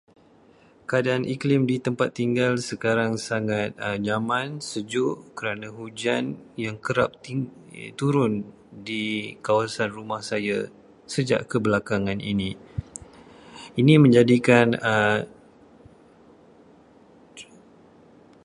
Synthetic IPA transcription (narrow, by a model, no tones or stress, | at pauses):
kadaːnʔiklɪmdit̪əmpat̪ːiŋɡalsəkaɾaŋsaŋat̪̚d͡ʒamãnsəd͡ʒʊʔkəɾanãɦud͡ʒanjaŋkəɾap̚t̪t̪uɾʊn | dikawasanrumahsaja | səd͡ʒa̰ʔkəbəlakaŋãnḭni | inĩmə̃ɲd͡ʒadikanə